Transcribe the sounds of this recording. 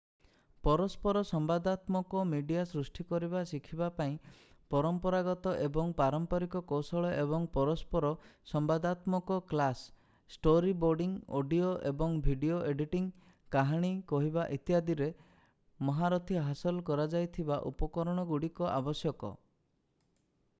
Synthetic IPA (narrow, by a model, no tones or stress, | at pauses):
pɔɾɔspɔɾɔsɔmbad̪at̪mɔkɔmiɖijasɾusʈikɔɾibasikʰibapaĩ | pɔɾɔmpɔɾaɡɔt̪ɔʔebɔŋpaɾɔmpɔɾikɔkosɔɭɔʔebɔŋpɔɾɔspɔɾɔsɔmbad̪at̪mɔkɔklasː | ʈoɾiboɾɖiŋo̰ɖioʔḛbɔŋbʱiɖioʔeɖiʈiŋ | kaɦaɽ̃ikɔɦibaʔit̪iɦad̪iɾe | mɔɦaɾɔt̪ʰiɦasɔlkɔɾad͡ʒajt̪ʰibaʔṵpɔkɔɾɔɽ̃ɔɡuɽikɔʔa̰bɔsjɔkɔ̰